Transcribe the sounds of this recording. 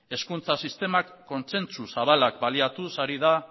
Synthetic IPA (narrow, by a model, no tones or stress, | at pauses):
e̞skunt͡sasist̪e̞makːo̞nt͡se̞nt͡susaβalakbaliat̪usaɾiða